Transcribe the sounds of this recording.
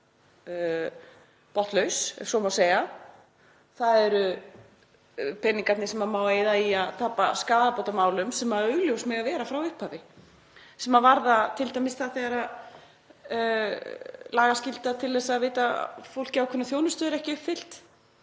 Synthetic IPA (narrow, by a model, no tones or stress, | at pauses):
pɔht̪lœɥsɛ̰sɔmawseːjɣa | θaðɛɾʏ | pʰɛnːiŋkat̪nɪsɛmamawejðaiaðt̪ʰaːpaskaːðapowt̪amaːwlʏmsɛmaœɥljowsmɛɣavɛːɾafɾawʏhphavɪ | sɛmavaɾðat̪ʰɪlt̪amɪsθaθɛɣaɾað | laːɣascɪlt̪at̪ʰɪlːɛsaðveːjt̪afowl̥cɪawkʰʏnaθjoːwnʏst̪œːðɪɾɛhcɪʏhpfɪl̥t̪